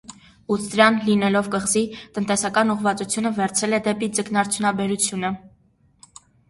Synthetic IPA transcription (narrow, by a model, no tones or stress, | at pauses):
ut͡sʰd̪ɾjɑnlinɛlɔvkəʁzit̪ənt̪ɛsɑkɑnuʁvɑt͡sut͡sʰjunəvɛɾt͡sʰɛlɛd̪ɛpid͡zəknɑɾt͡sʰjunɑbɛɾut͡sʰjunə